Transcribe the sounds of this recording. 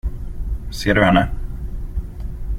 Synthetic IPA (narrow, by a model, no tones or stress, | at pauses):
seːɖɵhɛnːə